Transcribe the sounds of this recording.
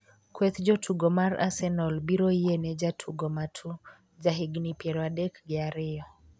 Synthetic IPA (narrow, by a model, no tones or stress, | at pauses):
kwɛt̪d͡ʒɔtʰuɡɔmaɾa̰sɛnɔlbiɾɔiɛnɛd͡ʒatʰuɡɔmatʰu | d͡ʒaɦiɡnipjɛɾwadɛkɡɛaɾɪɔ